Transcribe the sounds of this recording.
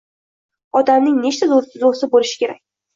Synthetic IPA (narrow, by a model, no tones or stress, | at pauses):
ɒd̪amnɪŋne̞t͡ʃt̪ʰazoɾsɪzoɾsɪbolɪʃɪ̥kʲʰe̞ɾakʲ